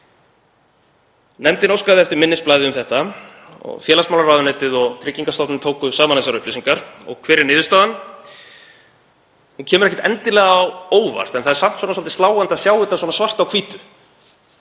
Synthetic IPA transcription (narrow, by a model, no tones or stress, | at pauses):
nɛmt̪ɪnowskaðɪɛft̪ɪɾmɪnːɪsplaːjðɪʏmθɛht̪a | ɔ̰ɣfjɛːlasmawlaɾraːwðʏnɛt̪ɪðɔɣt̪ʰɾɪcːiŋkast̪ɔt̪nɪmt̪ʰoːwkʏsaːmaneɛs̬aɾʏplisiŋkaɾ̥ɔ̰ɣkʰvɛːɾɪɾnɪːðʏst̪aːðan | huncʰɛːmʏɾɛhcɛ̥t̪ɛnt̪ɪlɛɣaːwoːwva̰r̥t̪ɛnθaðɛɾsam̥t̪swɔnsɔlt̪ɪ̥st̪laːwant̪asjaːwhɪt̪aswɔnasvar̥t̪awkʰviːt̪ʏ